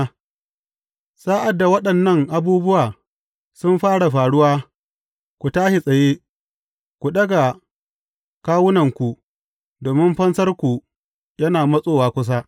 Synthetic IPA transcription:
saː˦ʔa˨dːa˨wɐ˦ɗɐ˨nːɐ˦ŋʔa˨buː˦bʊ˦waː˨ | sʊ˦mɸaː˦ɽa˨ɸaː˨ɽʊ˦waː˦ | kʷu˨taː˦ʃi˨sʼɐ˨jeː˦ | kʷu˨ɗɐ˦ɡa˨ | kaː˦wʊ˦nɐ˨ŋkʷu˨ | doː˨mɪ˦mɸɐ˦nsɐ˦rkʷu˨ | jɐ˦naː˨mɐ˦sʼoː˦˨waː˨kʷʊ˦s̬a˦

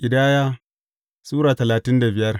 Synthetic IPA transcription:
ʔʲɪ˨daː˦jaː˦ | suː˦ɾaː˨tɐ˨laː˨tɪ˦nda˨bɪ˨jɐ˦r

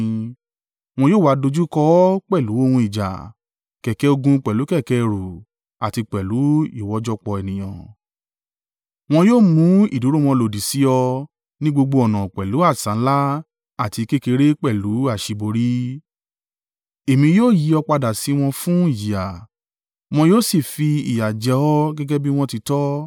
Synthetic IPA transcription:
w̃ɔ̃˧joː˦˨wa˨˧do˧d͡ʒu˦kɔ˦k͡pɛ˦˨lu˨˦o˦˨hũ˧i˨d͡ʒa̰˨ | kɛ˨kɛ˨˦o˧ɡũ˧k͡pɛ˨lu˨˦kɛ˦˨kɛ˧ɾu˨ | a˨ti˧k͡pɛ˨lu˨˦i˦˨wɔ˧˦d͡ʒɔ˦k͡pɔ˧e˨nĩ˨j̃ã̰˨ | w̃ɔ̃˧joː˦˨mũ˦ḭ˦˨du˨˦ɾo˦w̃ɔ̃˧lo˨di˨si˨˦ɔ˧ | nĩ˦ɡ͡bo˧ɡ͡bo˧ɔ˨nã˨k͡pɛ˨lu˨˦a˦˨sã˨˦la˦ | a˦˨ti˧ke˦ke˧ɾe˦k͡pɛ˦˨lu˨˦a˦˨ʃi˧bo˧ɾi˨˦ | e˨mĩ˧joː˦˨ji˨˦ɔ˧k͡pa˧da˨si˨˦w̃ɔ̃˧fũ˦i˦˨ji˨a˨ | w̃ɔ̃˧joː˦˨si˦˨fi˧i˨ja˨d͡ʒɛ˨˧ɔ˦ɡɛ˦ɡɛ˦bi˦w̃ɔ̃˦ti˧tɔ˦

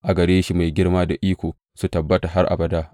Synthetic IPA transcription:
ʔa˨ɡɐ˨ɽeː˦ʃi˦ma˨jɡʲɪ˦rmaː˦da˨ʔiː˦kʷoː˨ | su˨tɐ˨bːɐ˦ta˨ɦa˦rʔa̰˨bɐ˨daː˦

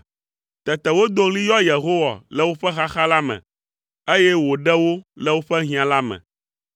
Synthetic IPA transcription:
t̪ɛ˨t̪ɛ˨wo˦d̪o˦ŋli˦jɔ˦je˨ɦo˦wa̰˨lɛ˦wo˦ɸɛ˦xa˦xa˦la˦mɛ̰̃˨ | e˦jɛ˦wo˨ɖɛ˦wo˦lɛ˦wo˦ɸɛ˦ɦĩ˨ã˨la˦mɛ̰̃˨

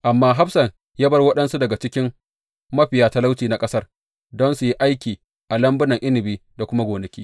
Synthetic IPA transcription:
ʔa˨mːaː˦ɦa˦ɸsɐ˨ŋ | jaː˦bɐ˦rwɐ˦ɗɐ˦nsu˦dɐ˨ɡa˨t͡ʃɪ˦kʲɪ˦m | mɐ˦ɸɪ˨jaː˦ta˦la˦wt͡ʃiː˨na˦kʼɐ˦sɐ˦r | dɔ˦nsu˨ji˦ʔa˦jkʲiː˨ | ʔa˨lɐ˦mbʊ˦nɐ˨ŋʔɪ˦nɪ˨biː˦da˨kʷʊ˦ma˦ɡʷoː˨nɐ˨kʲiː˦

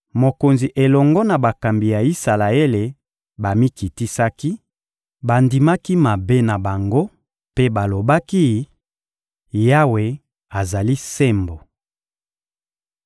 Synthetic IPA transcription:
mo˨ko˨nzi˨ʔe˨lɔ˨ŋɡɔ˦na˨ba˨ka˨mbi˨ja˨i˦sa˨la˨e˦le˨ | ba˨mi˦ki˨ti˦sa˦ki˦ | ba˨ndi˨ma˦ki˦ma˨be˦na˨ba˨ŋɡo˦ | pe˦ba˨lo˨ba˦ki˦ | ja˦we˨ | a˨za˨li˦se˦mbo˨

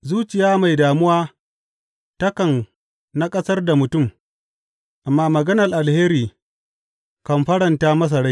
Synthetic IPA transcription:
zuː˦t͡ʃɪ˨jaː˦ma˨jdaː˨mʊ˦waː˦ | tɐ˦kɐ˨n | na˦kʼɐ˦sɐ˦rda˨mʊ˨tʊ˦˨m | ʔa˨mːaː˦mɐ˨ɡɐ˦nɐ˨rʔa˨lheː˦ɾiː˨ | kɐ˨mɸɐ˦ɽɐ˨ntaː˦mɐ˦s̬ɐ˨ɽa˦j

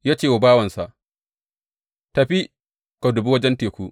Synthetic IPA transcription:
jaː˦t͡ʃeː˦˨wʊ˨baː˦wɐ˨nsa˨ʔ | ta˨ɸi˦ | ka˨dʊ˨bu˦wɐ˦d͡ʒɛ˦nteː˨kʷu˦

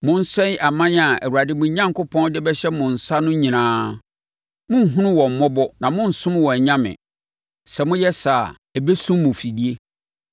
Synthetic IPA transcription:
mʊ̃˦n̩˦sɛ̃˦n˦a˨mã˦n˦a˨ɛ̰˨wu˨ɾa˨dɪ˦mʊ̃˨˦ɲã˦ŋkʰʊ˦pʰɔ̃˦n˦dɪ˦bɛ˦ɕɛ˦mʊ̃˨n̩˨sa˦nʊ̃˦ɲĩ˨nãː˦ | mʊ̃˦n̩˨ɦũ˦nʊ̃˦wɔ̃˨m̩˨mɔ˦bɔ˦nã˨mʊ̃˦n̩˨sʊ̃˦m˦wɔ̃˨ɲã˦mɪ̰̃˨ | sɛ˨mʊ̃˦jɛ˦sa˨ | æ˨be˦sũ˦mːʊ̃˨fi˨di˦e˦

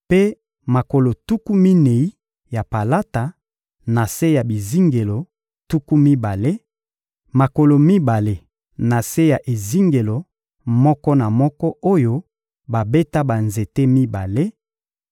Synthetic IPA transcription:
pe˦ | ma˨ko˨lo˨tu˦ku˦mi˦ne˨i˦ | ja˨pa˨la˦ta˨ | na˨se˦ja˨bi˨zi˦ŋɡe˨lo˨ | tu˦ku˦mi˦ba˨le˦ | ma˨ko˨lo˨mi˦ba˨le˦ | na˨se˦ja˨ʔe˨zi˦ŋɡe˨lo˨ | mɔ˦kɔ˦na˨mɔ˦kɔ˦o˦jo˦ | ba˨be˦ta˦ba˨nze˨te˦mi˦ba˨le˦

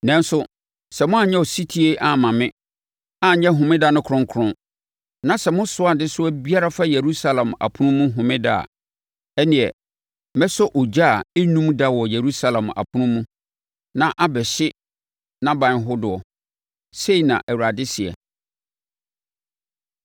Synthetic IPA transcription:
nɛ̃˦n˦sʊ˦ | sɛ˨mʊ̃˦a˨ɲɛ̃˦ɔ˨si˦tʰi˦e˦ʔa˨mã˨mɪ̃˦ | a˦˨ɲɛ̃˦ɦʊ̃˨mɪ̃˦da˦nʊ̃˦kʰʊ̃˦ŋ˦kʰʊ˦ɾʊ̃˦ | nã˨sɛ˨mʊ̃˦sʊ˦a˨dɪ˦sʊ˦æ˦bi˦a˦ɾa˦fa˦je˨ɾu˦sa˦lã˨ma̰˨pʰʊ˦nʊ̃˦mũ˦ɦʊ̃˨mɪ̃˦da̰˦˨a̰˨ | ɛ˦nɪ̃˨ɛ˨ | mɛ˦sʊ˦ʔʊ˨d͡ʑa˦˨e˦nũ˦mda˦wɔ˨je˨ɾu˦sa˦lã˨ma̰˨pʰʊ̃˦nʊ̃˦mũ˦ | nã˦ʔa˦bɛ˨ɕɪ˦ | nã˦bã˨n˦ɦʊ˦dʊ˨ɔ˨ | se˦i˨nã̰˨ʔæ˨wu˨ɾa˨dɪ˦sɪ˨ɛ̰˨

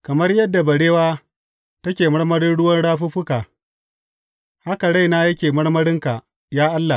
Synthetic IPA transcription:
kɐ˨mɐ˦rjɐ˦dːa˨bɐ˨ɽeː˦waː˦ | tɐ˦kʲeː˨mɐ˦ɽmɐ˦ɽɪ˦nɽʊ˦wɐ˦nɽaː˦ɸʊ˦ɸʊ˦kaː˨ | ha˦ka˨ɽa˦jnaː˦jɐ˦kʲeː˨mɐ˦ɽmɐ˦ɽɪ˦ŋka˨ | jaː˦ʔa˦lːa˨

